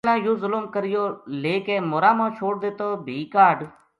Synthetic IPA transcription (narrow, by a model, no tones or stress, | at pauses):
lãːjuːzʊlʊmkəɾɪjoːleːkeːmoːɾãːmãːt͡ʃʰoːɽ̚d̪eːt̪oːbʱiːkaːɖ